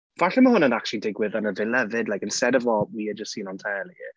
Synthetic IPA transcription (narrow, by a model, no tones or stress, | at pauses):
v̥aɬɛməhʊnənak̚t͡ʃlidɪɡwɪðənəvɪlɛvɪdlajkɪnstɛdɔvɔwiəd͡ʒəstsiːnantʰɛːlˠi